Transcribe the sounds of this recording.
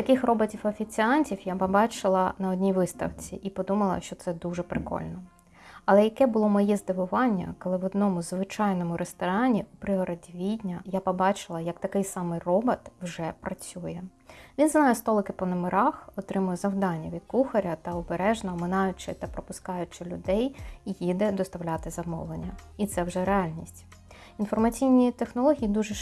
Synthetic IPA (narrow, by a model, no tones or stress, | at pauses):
t̪ɐkɪxrɔbɔtʲiwɐfʲit͡sʲiɑnʲtʲiwjapɔbɑt͡ʃɪlˠɐnɐɔdʲnʲiʋɪst̪ɐ̰wt͡sʲḭʔipɔd̪umɐlˠɐ̰ʃt͡ʃɔt̪sɛd̪uʐɛpɾɪkɔ̰lʲnɔ | ɐlˠɛjɐkɛbʊlˠɔmɔjɛzd̪ɪʋʊʋɑnʲːɐ̰kɔlˠɪʋɔd̪̚nɔmʊzʋɪt͡ʃɑjnɔmʊɾest̪ɔɾɑnʲipɾɪɦɔɾɐdʲiʋʲid̪ʲnʲɐjapɔbɑt͡ʃɪlˠɐjɐkt̪ɐkɪjsɑmɪjrɔbɐt̪wʒɛpɾɐt͡sʲujɛʋʲinznɑjɛst̪ɔlˠɪkɪpɔnɐmeɾɑxɔt̪ɾɪmʊjɛzɐwd̪ɑnʲːɐʋʲid̪̚kuxɐɾʲɐt̪ɐɔbeɾɛʒnɐɔmɪnɑjʊt͡ʃɪt̪ɐpɾɔpʊskɑjʊt͡ʃɪlʲʊd̪ɛjijid̪ɛd̪ɔst̪ɐwlʲɑt̪ɪzɐmɔ̰wlˠenʲːɐit̪sɛwʒɛɾeɑlʲnʲisʲtʲ | infɔrmɐt͡sʲijnʲit̪exnɔlˠɔɦʲijid̪uʒɛ